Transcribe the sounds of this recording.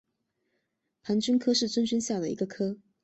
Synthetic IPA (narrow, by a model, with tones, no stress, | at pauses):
pʰa˧˥nt͡ɕy˥nkʰɤ˥ʂɻ̩˥˩t͡swə˥nt͡ɕy˥nɕja˥˩d̪ə˩ḭ˧˥ɡə˧kʰɤ˥